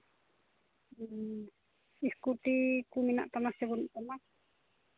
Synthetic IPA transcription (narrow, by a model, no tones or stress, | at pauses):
iskut̪ikumina̰ʔt̪amasɛbunʔt̪ama